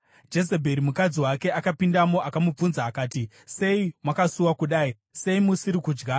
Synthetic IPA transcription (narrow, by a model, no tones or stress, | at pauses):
d͡ʒe̞s̬e̞bʱeɾimukad͡ziwake̞akapindamo̞ʔakamub͡vunzaːkaːti | se̞imwakasuwakuɗaːi | se̞imusiɾikuːd͡ʒɡa